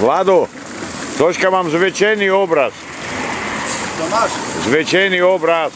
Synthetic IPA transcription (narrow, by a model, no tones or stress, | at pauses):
vlad̪o | t̪ot͡ʃkamamzʋɛt͡ʃɛjniobɾas | zʋɛt͡ʃɛjniobɾas